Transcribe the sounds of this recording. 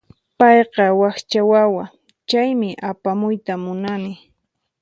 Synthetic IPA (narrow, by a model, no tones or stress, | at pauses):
pɑjqɑwaxt͡ʃawawa | t͡ʃajmɪʔapamʊjt̪amʊnamɪ